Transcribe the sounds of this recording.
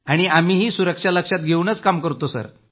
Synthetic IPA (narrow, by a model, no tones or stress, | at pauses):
aɽ̃iam̤iːɦiːsuɾəkʂaləkʂat̪ɡʱeunət͡skamkəɾt̪osə̰ɾ